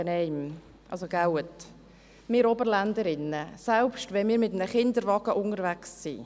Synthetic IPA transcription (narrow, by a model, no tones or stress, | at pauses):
ənɛɪm | ʔɑ̰lsoɡ̥awət | mɪːɾɔbəɾlænd̪əɾɪnːəsɛlpʃtʋɛnmɪːɾmɪtm̩nəχɪnd̪əɾvɑɡəʔʊnəɾvæksːḭ